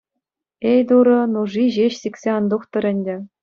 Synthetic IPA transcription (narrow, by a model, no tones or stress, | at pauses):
ejd̪uɾɤ̆nuʐiʑeɕsʲikʲsʲeɑnd̪uχt̪ɤ̆ɾʲɘ̆nʲdʲɘ̆